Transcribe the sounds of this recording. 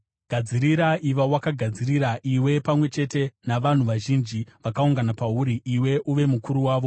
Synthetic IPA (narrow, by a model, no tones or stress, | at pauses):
ɡ̥ʱad͡ziɾiɾaʔiʋawakaɡʱad͡ziɾiɾaʔiwe̞pamwe̞t͡ʃe̞te̞naʋan̤uʋaʒind͡ʒiʋakauŋɡanapauɾiʔiwe̞ʔuʋe̞mukuɾuwaːʋo̞